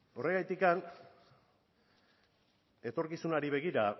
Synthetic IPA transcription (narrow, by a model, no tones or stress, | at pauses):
o̞re̞ɣajt̪ikan | e̞t̪o̞ɾkisunaɾiβe̞ɣ̞iɾa